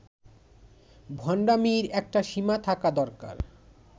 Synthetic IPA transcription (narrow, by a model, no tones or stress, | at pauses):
bʱɔɳɖamiɾɛk̚ʈaʃimat̪ʰakad̪ɔɾka̰ɾ